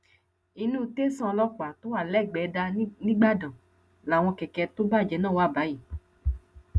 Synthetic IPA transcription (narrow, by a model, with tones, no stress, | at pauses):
i˧nũ˦te˦sã˦˨˧lɔ˦k͡pa˨to˨˦a˦˨lɛ˦˨ɡ͡bɛ˨˦da˧nĩ˦ɡ͡ba˦dã˨ | la˨w̃ɔ̃˧kɛ˨kɛ˧to˦ba˦˨d͡ʒɛ˨˦nãː˦˨wa˦˨ba˨˦ji˦˨